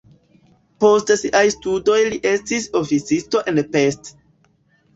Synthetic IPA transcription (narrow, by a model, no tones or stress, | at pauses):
po̞stsiʔajstudo̞jliʔestiso̞fit͡sisto̞ʔenpe̞st